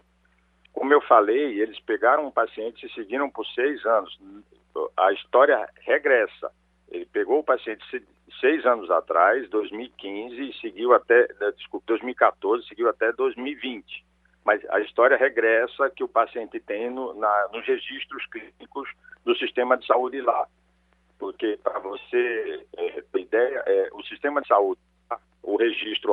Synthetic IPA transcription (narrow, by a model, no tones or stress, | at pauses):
kõmʊewfalejelɪspeɡaɾɐ̃w̃ʊpasiẽnt͡ʃ̪ɪ̥sɪsɪɡiɾɐ̃w̃pʊɾsejzɐ̃nʊz | ɐ̰ist̪ɔɾiɐheɡɾɛsɐ̰ | ḛlɪpeɡowʊpasiẽnt͡ʃɪ̥s | sejzɐ̃nʊza̰t̪ɾajzd̪ojzmiwikĩzɪsɪɡiwat̪ɛd͡ʒɪskupɪd̪ojzmiwikat̪oɾzɪsɪɡiwat̪ɛd̪ojzmiwivĩt͡ʃɪ̥ | mɐjzɐ̰ist̪ɔɾiɐɦeɡɾɛsɐkɪʊpasiẽnt̪ɪt̪ẽj̃nʊnɐnʊzheʒiʃt̪ɾʊsklinikʊzd̪ʊsist̪ẽmɐd͡ʒɪsaud͡ʒɪla | poɾkepɾɐvoseɛt̪ẽid̪ɛjɐʔɛʊsiʃt̪ẽmɐd̪ɪsaud͡ʒɪla | ʊheʒiʃt̪ɾʊ